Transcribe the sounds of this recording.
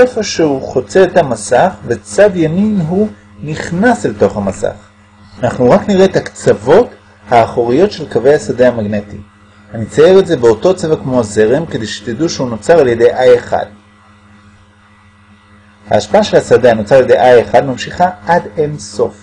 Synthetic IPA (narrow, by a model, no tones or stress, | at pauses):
sefoʃeuχo̞t͡seet̪hamasaχve̞t͡sadjaminɦu | niχnaselto̞χhamasa̰χ | anaχnuʁakniʁe̞t̪hakt͡savo̞t | haːχoʁijo̞tʃe̞lkave̞jasadehamaɡne̞tḭ | hanit͡sajeʁetze̞be̞o̞to̞t͡sevakmo̞ze̞ʁemke̞d̪ejʃe̥t̪iduʃeuno̞t͡saʁalje̞de̞jʔajeχa̰d̥ | ha̰ːʃpaaʃe̞lhasadeano̞t͡saʁaljedejʔajeχadmamʃiχaadenso̞f